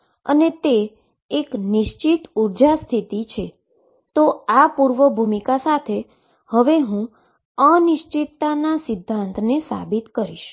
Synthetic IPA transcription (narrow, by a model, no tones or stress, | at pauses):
ə̰net̪eː | knɪʃt͡ʃit̪uɾd͡ʒast̪ʰit̪it͡ʃʰe | t̪oapuɾʋəbʱumikasat̪ʰe | həʋeɦũ | ənɪʃt͡ʃit̪ːanasɪd̪ʱːãnt̪ʰnesa̰bit̪kəɾiʃ